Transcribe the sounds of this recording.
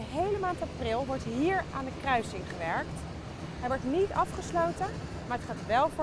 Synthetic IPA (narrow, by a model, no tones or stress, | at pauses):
əɦejləmaːntaprɪlˠʋɔɹtɦiːɹaːndəkrœɥsɪŋχəʋɛɹkt | ɦɛjʋɔɹtnitɑfχəslowtə | maːɹətχaːtʋɛlˠvʊ